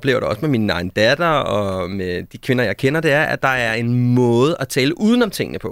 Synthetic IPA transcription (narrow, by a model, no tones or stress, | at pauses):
b̥le̝ːʊɐɾ̥eɒ̽səmeminəɑ̈ɪnəd̥æd̥ɐɒmed̥ikʰʋe̝nɐjɑ̈ɪkʰenɐd̥eæɐʔæ̰d̥ɑ̈æɐe̝nmɔ̽ːð̞̩ˠæt͡sʰɛːləʔuːð̞ˠən̩ɒ̽mt͡sʰe̝ŋ̰ənəpʰɒ̽